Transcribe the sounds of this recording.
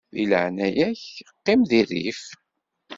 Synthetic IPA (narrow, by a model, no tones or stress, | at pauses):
ðḭlə̰ʕnæjæçqːɪmðirḭf